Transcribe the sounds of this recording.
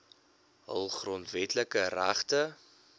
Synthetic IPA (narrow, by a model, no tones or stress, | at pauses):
ɦə̰lˠχrɔntvɛtləkəræχtə